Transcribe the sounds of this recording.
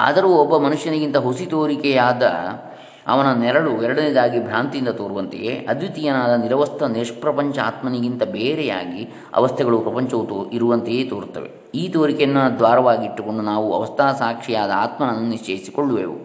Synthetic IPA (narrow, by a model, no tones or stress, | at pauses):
a̰d̪ɐɾuːɔbːɐmɐnuʂjɐnɐɡint̪ɐɦosit̪oːɾikɛjaːd̪ɐ̰ | ɐ̰ʋɐnɐnɛɾɐɭuɛɾɐɽɐnid̪aːɡibʱɾaːnt̪ijind̪ɐt̪oːɾuʋɐnt̪ḛjḛːʔɐd̪ʋit̪ijɐnaːd̪ɐniɾɐʋɐst̪ʰɐneːʂɐpɾɐpɐɲt͡ʃɐaːt̪mɐniɡint̪ɐbeːɾɛja̰ːɡi | ɐ̰ʋɐst̪ʰɛɡɐɭupɾɐpɐɲt͡ʃɐʋt̪iɾuʋɐnt̪ejeːt̪oːɾt̪ːɐ̰ʋḛ | iːt̪oːɾikɛjɐnːɐd̪ʋaːɾɐʋaːɡiiʈːuko̞ɳɖunaːʋuɐ̰ʋɐst̪ʰaːsaːkʂijaːd̪ɐa̰ːt̪mɐnɐnːuniʂt͡ʃeːjisi̥koɭːuʋḛːʋṵ